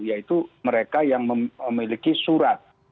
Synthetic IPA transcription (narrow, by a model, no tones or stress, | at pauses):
ijait̪uməɾekajaŋməəmilikisuɾat̪̚